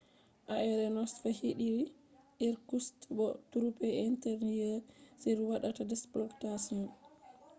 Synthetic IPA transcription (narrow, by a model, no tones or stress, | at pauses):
ʔaɛɾɛnɔsfahiɗiɾi | ʔiɾkustbɔtuɾupɛintɛɾnijɛseɾuwaɗatadɛsblɔktasnɔn